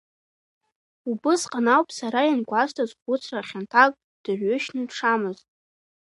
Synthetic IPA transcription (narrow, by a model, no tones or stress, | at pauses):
ubɨsqʼanawpʼsaɾajanɡʷaztʰazχʷʊt͡sʰraχʲantʰakʼ | d̥ɨrɥʏʃnɨʈ͡ʂʰamɨztʼ